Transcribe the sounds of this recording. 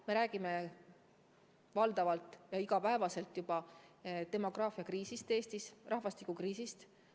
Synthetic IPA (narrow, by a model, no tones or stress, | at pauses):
me̞ɾæːɡ̥ime̞ | vɑld̪̥ɑvɑlt̪ˑːjɑiɡ̥ɑpæe̞vɑse̞lt̪ːˑjubɑt̪e̞mo̞ɡrɑːfiɑkriːsist̪e̞ːst̪isrʔɑhvɑst̪ikːˑukriːsist̪